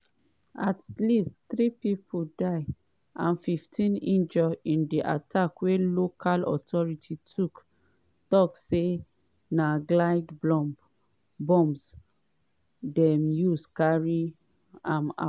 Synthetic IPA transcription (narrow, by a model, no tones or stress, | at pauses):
atlistθɹipipʰudaɪ | ʔãnfiftʰĩnĩnd͡ʒɔĩndiʔa̰tʰakwelokʰalɔ̰tʰɔɹitʰitʰuk | tɔkse | naɡlaɪdblɔ̃mb | bɔ̃ms | dɛmjuskaɹi | ãma̰